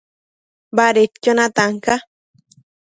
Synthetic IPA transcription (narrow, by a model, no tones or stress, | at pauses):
baɾet̪kʲonat̪aŋka